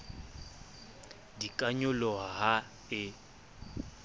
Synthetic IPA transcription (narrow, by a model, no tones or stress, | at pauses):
dikʼaɲʊlɔɦaɦa | ɪ